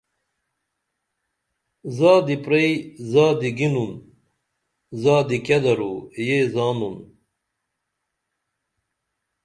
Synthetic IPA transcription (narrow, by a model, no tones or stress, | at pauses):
zaːd̪ipɾejzaːd̪iɡinun | zaːd̪ikjɐd̪ɐɾujezaːnun